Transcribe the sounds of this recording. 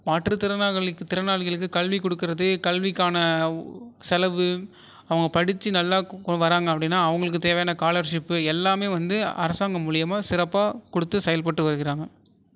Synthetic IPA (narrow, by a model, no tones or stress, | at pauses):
maːʈrɯt̪ɪɾɐnaːɣɐɭɯkːɯt̪ɪɾɐnaːɭɣɐɭɯkːɯkɐlʋikɔɽɯkːɪɾɐðɯkɐlʋɪkːaːnɐ | sɛlɐʋɯ | ɐʋɐŋɡɐpɐɽɪt͡ʃːɯnɐlːaːkɔʋɐɾaːŋɡɐpːɐɽɪnːaːɐʋɐŋɡɐɭɯk̬ːɯt̪eːʋɐjaːnɐkaːlɐɾʂɪpːɯɛlːaːmeːʋɐnd̪ɯɐ̰ɾɐsaːŋɡɐmʊɭɪjɐmaːsɪɾɐpːaːkɔɽɯt̪ːɯsɐjɐlpɐʈːɯʋɐɾɯɣɪɾaːŋɡɐ